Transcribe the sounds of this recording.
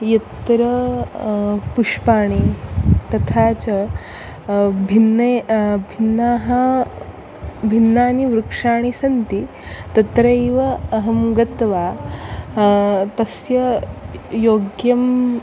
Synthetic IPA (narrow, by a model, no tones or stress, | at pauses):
jɐt̪ɾɐ | puʂpaːɳ̃it̪ɐt̪ʰat͡ɕɐ | bʱinːɐbʱinːaːɦɐ | bʱinːaːniʋɾukʂaːɳ̃isɐnt̪i | t̪ɐt̪ɾɐjʋɐɐɦɐmɡɐt̪ʋa | t̪ɐsjɐ | joːɡjɐm